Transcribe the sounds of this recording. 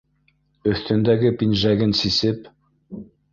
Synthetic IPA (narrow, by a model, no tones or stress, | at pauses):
ɵ̆θt̪ɵ̆nd̪æɡɘpinʒæɡɘnsisɘp